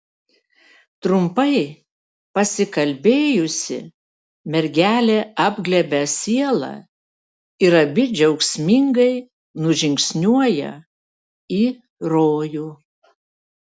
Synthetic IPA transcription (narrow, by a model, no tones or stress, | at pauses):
t̪ɾʊmpɐɪ | pɐsʲɪkɐlʲbʲeːjʊsʲɪ̰ | mʲɛɾʲɡʲæːlʲeːɑbʲɡlʲɛbʲɛsʲiɛlˠɑ̰ | ɪɾɐbʲɪd͡ʒʲɛʊksʲmʲɪŋɡɐɪ | nʊʒʲɪŋksʲnʲuɔjɛ̰ | iː | ɾoːjuː